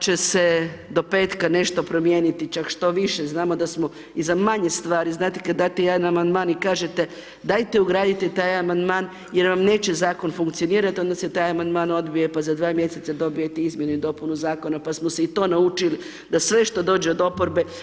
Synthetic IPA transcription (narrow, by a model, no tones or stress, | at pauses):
t͡ʃe̞se̞d̪o̞pe̞ːt̪kane̞ʃt̪o̞pɾo̞mje̞ːnit̪it͡ʃakʃt̪o̞ʋiʃeznaːmo̞d̪asmo̞ | izamaɲe̞st̪ʋaːɾiznaːt̪i̥kad̪d̪aːt̪ejed̪anamand̪maːnikaːʒet̪e̞ | d̪ajt̪euɡɾaːd̪it̪ɛt̪aːjamand̪maːn | jeɾʋamne̞ːt͡ɕe̞zaːko̞nfuŋkt̪sio̞niːɾat̪io̞nd̪ase̞t̪aːjamand̪maːno̞d̪bijepazad̪ʋaːmje̞se̞t̪sad̪o̞bije̞t̪eizmʲje̞nuid̪o̞punuzaːko̞napasmoseit̪o̞ːnaut͡ʃili | d̪asʋe̞ʃt̪o̞d̪o̞ːd͡ʒeod̪o̞po̞ɾbe̞